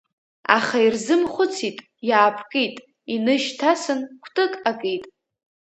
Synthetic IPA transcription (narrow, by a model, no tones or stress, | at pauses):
a̰χairzɨmχʷʊt͡sʰitʼ | jaːpʰkʼejtʼ | inɨʃtʰasɨnkʷʰtʼɨkʼakʼejtʼ